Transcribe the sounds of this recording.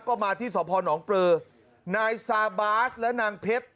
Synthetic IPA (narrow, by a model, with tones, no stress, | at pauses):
kɔː˥˩maː˧t̪ʰiː˥˩sɔː˩˦pʰɔː˧nɔː˩˦ŋpɾɤː˧ | naː˧jsaː˧baː˦˥slɛ˦˥naː˧ŋpʰe˦˥t̪̚